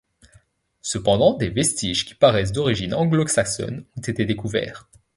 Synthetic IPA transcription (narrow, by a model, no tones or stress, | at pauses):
səpɑ̃d̪ɑ̃d̪evɛst̪iʒkʲi̥paʁɛs̬d̪ɔʁiʒinɑ̃ɡlɔksaksɔ̰nɔ̃t̪et̪ed̪ekuvɛ̰ːʁ